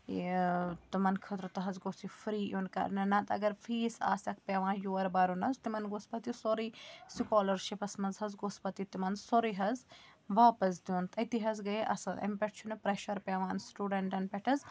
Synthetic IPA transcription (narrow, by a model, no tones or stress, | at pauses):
t̪ɐmɐnkʰɐt̪ɾɐt̪ɐɦɐzɡosifɾiːjonkɐ̰ɾnɐnɐt̪ɐ̰ɡɐɾfʰiːsa̰ːsɐk̚ʰpʲaʋãːnjoːɐɾbaːɾunɐzt̪imɐnɡospɐt̪isoɾiːsikoːlɐɾʃipɐsmɐnzɦɐzɡospɐt̪it̪imɐnsoɾiɦɐzʋaːpɐs̬d̪juːnt̪ʰɐt̪iɦɐzɡɐeʔɐ̰sɐlɐ̰mpʲeʈt͡ʃʰunɐpɾeːʃɐɾpʲaʋaːnsʈuːɖɐɳʈɐnpɐʈʰɐz